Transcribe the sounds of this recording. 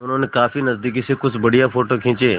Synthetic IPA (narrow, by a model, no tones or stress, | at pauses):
ʊnɦõːnekaːfinəzd̪iːk̬isekʊd͡ʒbəɽijãfoːʈoːkʰɪ̃ːt͡ʃeː